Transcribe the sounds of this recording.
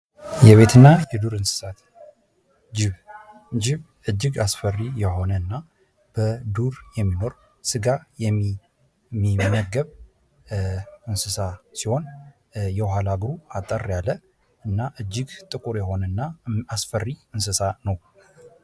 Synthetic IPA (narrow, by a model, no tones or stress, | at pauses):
jɛβe̞t̪ʰɨnːajɛd̪uɾɨnsɨ̥sat̪ | d͡ʒɪβ | d͡ʒɪβ | ɨd͡ʒːɪɡasfərijɛɦo̞nəɨnːa | b̥əd̪uɾjɛmːino̞ɾ | sɨɡajɛ | mimːəɡəβ | ɨnsɨsasiho̞n | jɛɦalaɡɾuat̪ʼːərːjalːə | ɨnːaʔɨd͡ʒːɪɡt̪ʼɨkʼuɾjɛho̞nənːaasfərːiɨnsɨsanəw